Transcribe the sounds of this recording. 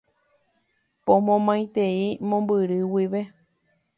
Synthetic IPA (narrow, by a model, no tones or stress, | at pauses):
põmõmãj̃t̪eimõ̞mbɨɾɨwiʋe̞